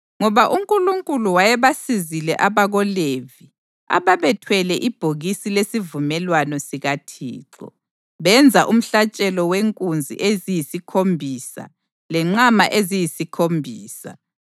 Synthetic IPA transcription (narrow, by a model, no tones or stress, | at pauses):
ŋɔβaʔuŋkʼuluŋkʼuluwajɛβasizilɛʔaβaɣɔlevi | a̰βaβɛtʰwɛlɛʔib̥ʱoɣisilesivumɛlwanɔsiɣatʰḭːǁɔ̰ | βɛnd͡zʱaʔum̩ɬat͡ʃʼɛlɔweŋkʼund͡zʱḭʔezijisikʰombʱiːsa̰ | lɛŋ͡ǁamaʔezijisikʰombʱiːsa̰